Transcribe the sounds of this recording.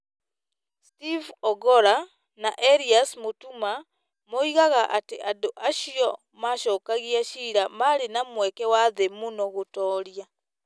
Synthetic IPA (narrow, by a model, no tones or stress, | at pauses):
stivɔɡɔɾa | naʔeɾiasmutuma | moiɣaɣaʔateʔadoʔaʃiɔ | maʃɔːkaɣiaʃiːɾamaɾenamwɛkɛwaðemunoɣotɔːɾja